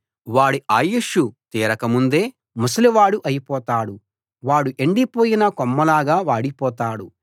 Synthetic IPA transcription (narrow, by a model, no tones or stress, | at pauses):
ʋaːɽiaːjuʂut̪iːɾɐkɐmund̪e̞ː | musliʋaːɽuʔɐjipɔːt̪aːɽu | ʋaːɽuʔeɳɖipoːjinɐkɔmːɐlaːɡaːʋaːɽipɔːt̪aːɽu